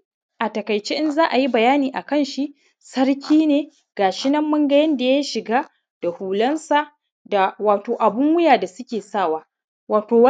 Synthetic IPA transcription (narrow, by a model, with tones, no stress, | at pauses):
ʔa˨tɐ˨kɐ˨jt͡ʃe˦ʔɪ˦nzaː˦ʔa˨ji˦bɐ˨jaː˦niː˨ʔa˨kɐ˦nʃi˦ʔ | sɐ˦ɾkʲʰiː˦neː˨ | ɡ̥aː˨ʃɪ˦nɐ˦mːɐ˦ŋɡɐ˦jɐ˦nda˨ja˦ʃɪ˨ɡaː˦ | d̥a˨huː˨lɐ˦nsa˨ | da˨waː˨toː˨ʔa˨bʊ˦ŋwʊ˦jaː˨da˨sʊ˦kʲeː˨saː˦˨waː˦ | waː˨toː˨w